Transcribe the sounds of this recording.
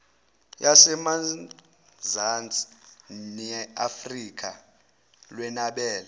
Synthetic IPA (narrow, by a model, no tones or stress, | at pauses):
jasɛma | zant͡sʼnɛafrik̬ʰʼa | lwɛnaɓɛːla